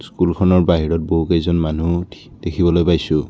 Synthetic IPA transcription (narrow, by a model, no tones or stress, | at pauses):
skulkʰɔnɔɹbaɦiɹɔt̚boɦukɛjzɔnmanu | d̥ekʰibɔlojpajsʊ̃